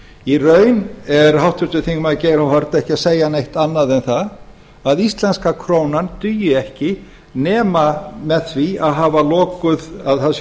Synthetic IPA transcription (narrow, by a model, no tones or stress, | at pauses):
irœːɥnɛɾ̥hawht̪ʰʏɾt̪ʏθiŋkmaðceːjɾhawɦɔɾt̪ɛhcɪaseːjanejht̪anːaðɛnθa | aðist̪lɛnskakʰɾoːwnant̪ʏjʏɛhcɪ | nɛːmamɛðθviaðɦaːvalɔːkʏðaðθas